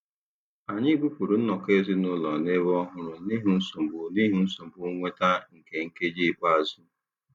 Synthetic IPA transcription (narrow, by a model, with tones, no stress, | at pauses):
a˨ɲɪ˦bu˦pu˨ɾu˨n̩˦nɔ˨ke˦˨zi˦nʊ˦lɔ˨ne˦βɔ˦ɦʊ˦ɾʊ˨ni˦ɦu˦n̩˦so˨m˨bʊ˨ni˦ɦu˦n̩˦so˨m̩˨bʊ˨˦ŋʷe˦ta˦ŋ̩˨ke˨ŋ̩˦ke˦d͡ʒi˦˨pa˦˨zu˦